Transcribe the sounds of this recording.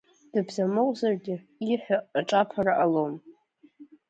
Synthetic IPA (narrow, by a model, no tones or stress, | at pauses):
d̥ɨbzamowzarɡʲɪ | iħʷᶣaːʈ͡ʂʼapʰaraʔalom